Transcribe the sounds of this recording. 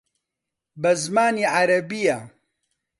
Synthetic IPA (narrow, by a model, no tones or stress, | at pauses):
bɐzmaːniʕaɾɐbija